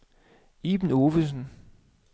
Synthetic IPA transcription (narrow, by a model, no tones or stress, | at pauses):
iːb̥n̩oʋəsn̩